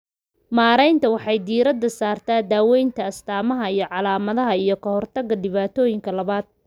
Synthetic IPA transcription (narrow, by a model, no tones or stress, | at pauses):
maːɾɛjnt̪ʰɐwɑħɑjd̪iːɾɐd̪ːɐsaːrt̪ʰaːd̪aːwɛjnt̪ʰɐːst̪ʰaːmɐɦɐijɞʕɑlaːmɐðɐɦɐijɞkʰɐhɔrt̪ʰɐɡɐɖɪβaːt̪ʰɔːjɪŋkʰɐlɐβaːd̪̚